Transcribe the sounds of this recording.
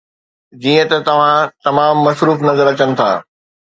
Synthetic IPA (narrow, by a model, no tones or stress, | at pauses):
d͡ʑiːə̃t̪ɐt̪ɐʋ̤ãt̪ɐmaːmːɐsɾuːfnɐzəɾɐt͡ɕənɪ̆t̪ʰa̰ː